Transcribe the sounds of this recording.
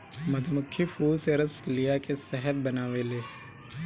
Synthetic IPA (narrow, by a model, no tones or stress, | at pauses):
mɐd̪ʰʱəmʊkʰːifuːlseɾəslijakesɛɦəɾbɐnaːʋeleː